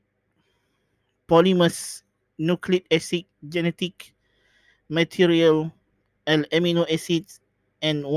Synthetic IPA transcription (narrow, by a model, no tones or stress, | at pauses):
pɔliməs | nukʰlit̚ɛsik̚d͡ʒɛnɛtik | mətʰiɹiəl | ɛlɛminoɛsits | ɛ̃nw